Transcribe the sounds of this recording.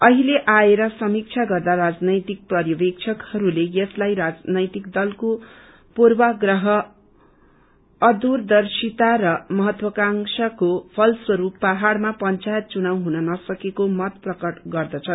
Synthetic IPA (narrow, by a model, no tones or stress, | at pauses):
ʌɦileʔaeɾʌsʌmik̚t͡sʰaɡʌrd̪arad͡znʌjt̪ik̚prʌɾjʌbek̚t͡sʰʌkhʌɾulejʌslajɾad͡znʌjt̪ikd̪ʌlko | purbaɡrʌɦʌ | ʌd̪urd̪ʌrsit̪aɾʌmʌɦʌt̪wʌkaŋsʌkopʰʌlswʌɾupːaɦaɽmapʌnt͡sajet̪̚t͡sunawɦunʌnʌsʌkekomʌt̪prʌkʌʈɡʌrd̪ʌt͡sʰʌ